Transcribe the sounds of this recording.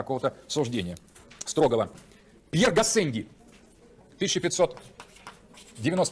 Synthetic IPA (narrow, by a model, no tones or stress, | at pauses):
ɐko̞vət̪əsʊʐdʲenʲɪjə | st̪ɾo̞ɡəvə | pʲjerɡɐsɛnʲɡʲɪ | t̪ɨsʲɪɕɪpʲɪt̪ʲso̞t̪ | dʲɪvʲɪno̞st